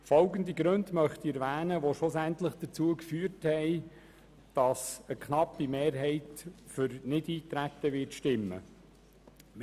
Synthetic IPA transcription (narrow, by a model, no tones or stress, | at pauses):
fɔlɡəndiɡɾɵndmœχtiɛɾʋæːnəʋoʃlʊsæntləχd̥ət͡suəkfyːərthɛɪ | d̥ɑsəkχnɑpːimeːɾɦɛɪtfʏɾnɪdiːt̪ɾæt̪ːəʋɪtʃtɪmːə̰